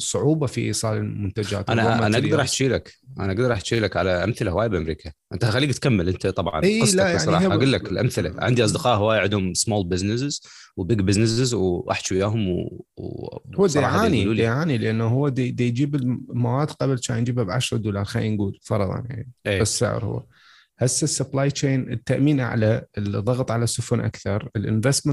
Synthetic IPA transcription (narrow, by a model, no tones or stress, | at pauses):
sˤːʊʕuːbafiʔḭːsˤɑːlɪlmʊnt̪ad͡ʒa̰ːt̪ʔanaʔanaʔaɡ̪ɑɾˤɑːħt̪ʃiːlakʔanaʔaɡd̪ɑɾˤɑːħt̪ʃiːlakʕalaʔamθɪlahwaːjabʔamɾiːkʰaʔɪnt̪axalːiːɡt̪kamːɪlʔɪnt̪ʰat̪ˤɑbʕʕɑ̰niːˤlaajasʕnːˤɑːʔaɡʊlːakɪlʔa̰mθɪlaʕɪnd̪iʔɑsˤd̪ɨqɑːʔhwaːjʕɪd̪hʊmsmoːlbɪznɪs̬ɪz | wbɪɡbɪznɪsɪzwʔa̰ħt͡ʃujaːɦʊmw | huːd̪ːʕaːniluːld̪eːʕaːnilʔanːaɦʊwːad̪d̪ajd͡ʒiːbɪlmawaːd̪qɑblt͡ʃaːjnd͡ʒiːbabʕaʃɾˤɑd̪uːlɑːɾˤxainɡuːlfɑɾˤɑðˤɑ̰nja̰ʕniʔesːɪ̰ʕ̰ɾhʊ̰wːa̰ | hasːasːʊblaːjt͡ʃeːnɪt̪ːaʔmiːnʔa̰ʕlalðˤːɑɣt̪ˤʕalasʊfʊnʔa̰kθɑɾˤɪlʔɪ̰nvest̪m